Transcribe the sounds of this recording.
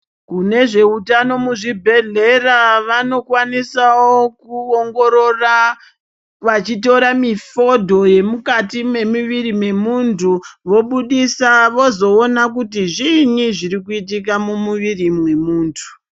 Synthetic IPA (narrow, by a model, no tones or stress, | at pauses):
kune̞ʐe̞utano̞muʐibʱe̞ɮe̞raʋano̞kwanisawokuoŋɡo̞ɾo̞ra | ʋat͡ʃito̞ɾamifo̞dʱo̞je̞mukatime̞miʋirimwe̞muntʰuʋo̞ɓuɗisaʋo̞zo̞ːnak̬utiʐiɲiʐiɾikuitik̬amumuʋirimwe̞muːntʰu̥